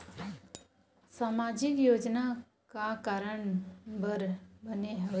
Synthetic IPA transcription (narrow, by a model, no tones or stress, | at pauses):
saːmad͡ʒɪkjoːd͡ʒna | kakaːɾəɳbəɾbəneɦə